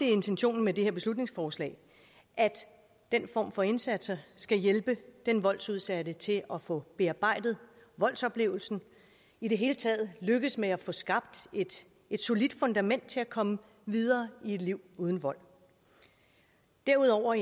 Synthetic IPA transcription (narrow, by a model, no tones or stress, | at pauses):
d̥e̝e̝nt͡sʰenɕo̝̰ːn̩mede̝heɐb̥e̝slud̥̚ne̝ŋsfɒːslɛ̰ɪ | ʔæd̥ː | en̰fɒ̰ːmfɒ̽e̝nsæd̥sɐsɡ̥æjelb̥əd̥enʋɒ̽l̰suð̞ˠsæɾət͡sʰe̝ʔɒfɔ̽b̥e̝ɑ̈b̥ɑ̈ɪ̰d̥ð̞̩ˠʋɒ̽l̰sɒ̽b̥le̝̰ːʊl̩sn̩ | iɾ̥e̝ɦe̝ːlət͡sʰɛð̩ˠløɡ̥ðˠsmeæfɔ̽sɡ̥ɑ̈b̥̚d̥ed̥ | e̝d̥so̝lid̥fɔ̽nd̥æmen̰d̥̚t͡sʰe̝ækʰɒ̽mə | ʋið̞ˠɐːie̝d̥liʊ̰uːð̞ˠn̩ʋɒ̽l̰ | d̥æɐuð̞ˠɒʊ̰ɐ